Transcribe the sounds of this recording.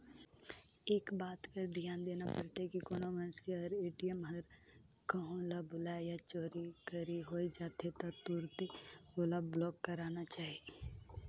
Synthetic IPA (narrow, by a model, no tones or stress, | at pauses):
eːkbaːt̪kəɾd̪ijaːnd̪eːnapəɾt̪akikoːnomənseɦəɾeːʈijəmɦəɾ | kəɦõlabʊlaːjat͡ʃoːɾikəɾiɦoːid͡ʒaːt̪ʰet̪at̪uːɾt̪iolablɔːkːəɾaːnat͡ʃaːɦie